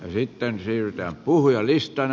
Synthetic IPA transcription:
jɑsit̪ːensiːryt̪æːmpuhujɑlist̪ɑn

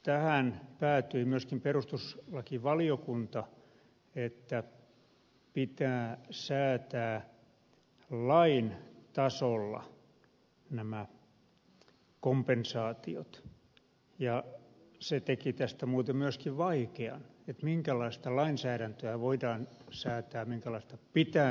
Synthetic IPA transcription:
t̪æhænpæːt̪yimyøskimperust̪uslɑkiʋɑliokunt̪ɑ | et̪ːæ | pit̪æːsæːt̪æː | lɑint̪ɑsolːɑ̰ | næmæ | kompensɑːt̪io̰t̪ | jɑset̪ekit̪æst̪æmuːt̪emmyøskiʋʋɑikeɑ̰net̪miŋkælɑist̪ɑlɑinsæːɾænt̪øæʋoidɑːnsæːt̪æːmiŋkælɑist̪ɑpit̪æː

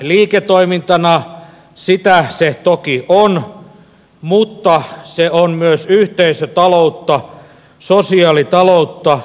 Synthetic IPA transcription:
liːket̪ːoimint̪ɑnɑ | sit̪æset̪okiʔon | mut̪ːɑseonmyøsyht̪eisøt̪ɑlout̪ːɑ | sosiɑːlit̪ɑlout̪ːɑ

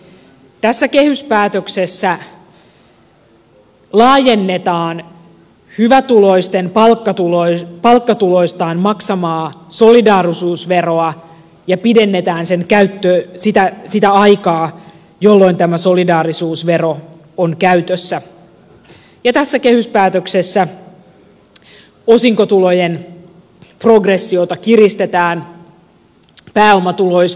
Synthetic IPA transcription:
t̪æsːæke̞hyspæːt̪øksesːæ | lɑːjenːet̪ɑːn | hyʋæt̪uloist̪enpɑlkːɑt̪ulopɑlkːɑt̪ulo̞ist̪ɑːnmɑksɑmɑːso̞lidɑːrisuːsʋe̞ro̞ɑ | jɑpide̞nːe̞t̪æːnseŋkæyt̪ːøsit̪æsit̪æɑjkɑː | jo̞lːo̞jnt̪æmæso̞lidɑːɾisuːsʋe̞ro̞ | oŋkæyt̪øsːæ | jɑt̪æsːæke̞hyspæːt̪økse̞sːæ | o̞siŋkot̪ulo̞jen | pro̞ɡresːio̞t̪ɑkirist̪e̞t̪æːn | pæːo̞mɑt̪ulo̞js

